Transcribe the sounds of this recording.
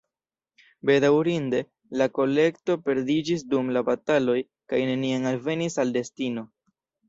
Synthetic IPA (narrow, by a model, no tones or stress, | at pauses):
be̞dawɾinde̞ | lako̞le̞kto̞pe̞ɾdid͡ʒis̬dumlabatalo̞j | kajne̞niaŋalve̞nisalde̞stino̞